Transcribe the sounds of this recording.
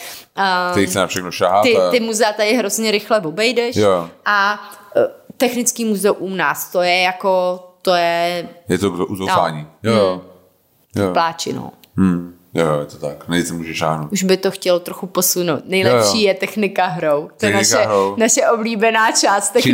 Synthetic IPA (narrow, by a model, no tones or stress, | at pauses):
ʔaɛɾisɛnafʃɛxnoʃaɦaːɪt̪ɪmuzɛat̪adɪɦɾo̞zɲɛɾɪxlɛvobɛjdɛʃjoʔa | t̪ɛxnɪt͡skiːmuzɛuʔunaːst̪ojɛjakot̪ojɛjɛt̪oɡoʔuzoa̰ːɲiːj | plaːt͡ʃɪ̰no̰ː | jojɛt̪ot̪aknɛisɛmuːʒɛʃa̰ːɦnowtʔuʒbɪt̪oxcɛlot̪ɾoxuposunowt̪nɛjlɛpʃiːjɛt̪ɛxnɪkaɦɾowt̪ɛnaʃɛɾonaʃɛʔobliːbɛnaːt͡ʃaːst̪ːɛ